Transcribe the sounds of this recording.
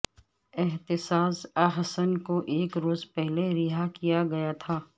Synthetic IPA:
ɪɦt̪ɪsaːzaɦɐsənkoʔeːkɾoːzpɛɦleɾɪɦakijaɡɐjat̪ʰaː

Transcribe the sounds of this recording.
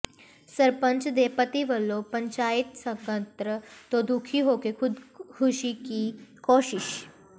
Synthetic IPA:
səɾpə̃ɲt͡ʃd̪epət̪iʋəlːopɐ̃ɲt͡ʃaːɪt̪sɐkə̃nt̪ɾət̪od̪ukʰiɦoːkekʰʊd̪kʰuʃikikoːʃɪʃ

